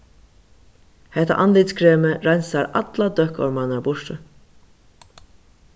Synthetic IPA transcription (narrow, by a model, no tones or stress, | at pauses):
hɛht̪a̰ʔanliːt̪skʰɾeːməɾajnsaɾa̰t̪lad̪œhkɔ̰ɹmanaɾbʊʂʈə